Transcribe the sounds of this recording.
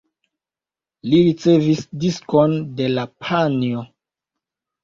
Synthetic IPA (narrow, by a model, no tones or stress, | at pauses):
liɾit͡se̞visdiskonde̞lapʰanio